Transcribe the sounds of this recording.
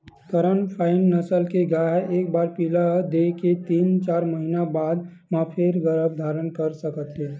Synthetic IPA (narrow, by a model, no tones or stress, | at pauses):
kəɾənpʰaːɪnːəsəlkeɡaːɦeːk̚baːɾpiːlad̪eket̪iːnt͡ʃaːɾməɦinabaːd̪̚ | mãpʰeɾɡəɾəbd̪ʱaːɾənkəɾsəkət̪ɦeː